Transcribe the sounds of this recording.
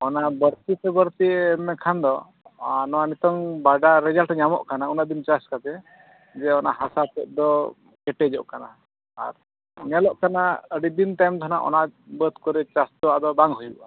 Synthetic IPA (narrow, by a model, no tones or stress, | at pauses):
ɔnabəɾt̪it̪ɛbəɾt̪iɛmɛkʰand̪ɔ | anɔwanit̪ɔŋbaɖaɾɛd͡ʒalʈɲamɔ̰ʔkanaunad̪int͡ʃaskat̪ɛ | d͡ʒɛɔna̰ʔɦasat̪ɛʔ̚d̪ɔ | kɛʈɛd͡ʒɔʔkana̰ | a̰ɾ | nɛlɔʔkanaəɽid̪inʈajmd̪ʱɔnaʔɔ̰naʔbət̪kɔɾɛt͡ʃast̪ɔwaʔd̪ɔbaŋɦujṵʔa